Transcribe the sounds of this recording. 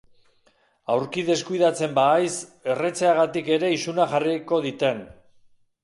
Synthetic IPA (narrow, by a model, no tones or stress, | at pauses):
awɾkiðe̞skujðat͡se̞mbaːjse̞re̞t͡seaɣ̞at̪ike̞ɾe̞isunaxariko̞ðit̪e̞n